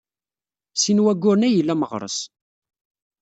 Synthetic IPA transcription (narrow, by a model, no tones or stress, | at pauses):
sinwæɡːʊɾnæjəlːæməʁɾˤə̰s